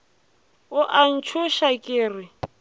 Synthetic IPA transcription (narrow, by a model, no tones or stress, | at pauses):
ʊʔan̩t͡ʃʰʊʃakʼɪːrɪ